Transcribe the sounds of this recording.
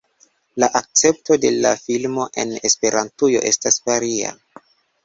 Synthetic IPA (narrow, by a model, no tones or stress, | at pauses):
laʔak̚t͡se̞p̚to̞de̞lafilmo̞ʔe̞̰ne̞spe̞ɾʔantujo̞̰ʔe̞staspaɾia̰